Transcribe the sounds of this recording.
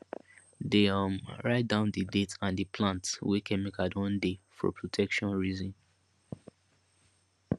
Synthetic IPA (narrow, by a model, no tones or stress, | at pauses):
deʌ̃mɹaɪt̚dãʊ̃ndidetʰãndəpʰlãntswikʰɛ̃mikatɔ̃ndefɔ̰pʰɹotʰɛkʃɔ̃nɹizĩn